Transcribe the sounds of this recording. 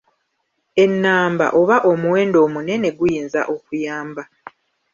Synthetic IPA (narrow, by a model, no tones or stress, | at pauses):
e̞nːaːmba̰ʔo̞βaʔo̞muwe̞ːndo̞ːmune̞ne̞ɡujiːnza̰ʔo̞kujaːmba